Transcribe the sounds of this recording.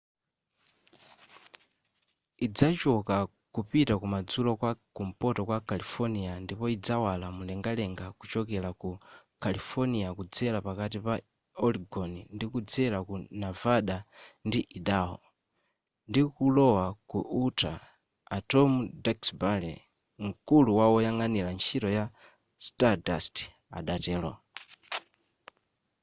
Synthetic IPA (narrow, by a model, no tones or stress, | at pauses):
id͡zat͡ʃɔka | kupitakumad͡zulɔkwakum̩pɔtɔkwakalifɔniandipɔid͡zawalamulɛŋɡalɛŋɡakut͡ʃɔk̬ɛlakukalifɔniakud͡zɛlapakatipa | ɔliɡɔnindikud͡zɛlakunavaɗandiʔiɗaɦɔ̰ | ndikulɔwakuʔutʰa̰ː | tɔmudaksbalɛ | ŋ̩kuluwaɔjaŋanilant͡ʃʰiɾɔja | stadasti̥ | a̰ɗatɛːlɔ̰